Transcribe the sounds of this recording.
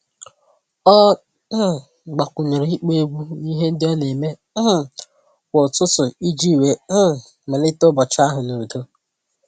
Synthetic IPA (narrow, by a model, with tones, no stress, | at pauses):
ɔ˦˨ | ɡ͡ba˨kʷʊ˨ɲe˨ɾe˨i˦k͡pe˦ɡʷu˦ni˦ɦe˦n̩˦dɪ˦ɔ˦ne˨me˦˨ | wʷo˨tʊ˦tʊ˨i˦d͡ʒi˦˨we˨m̩˦˨ | me˨lɪ˦tʊ˦bɔ˨t͡ʃa˦ɦʊ˨no˨do˦